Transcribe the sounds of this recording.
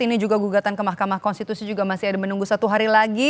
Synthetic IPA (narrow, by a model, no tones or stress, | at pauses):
inid͡ʒuɡaɡuɡat̪ankəmahkamahkɔnst̪it̪usid͡ʒuɡamasiadamənuŋɡusat̪uɦaɾilaɡi